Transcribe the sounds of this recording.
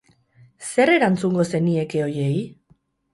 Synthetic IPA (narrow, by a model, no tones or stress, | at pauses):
se̞re̞ɾant͡suŋɡo̞se̞nie̞ke̞o̞je̞j